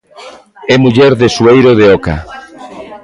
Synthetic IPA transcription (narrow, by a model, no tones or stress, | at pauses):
ɛmuʎɛɾðesuejɾoðeɔka̰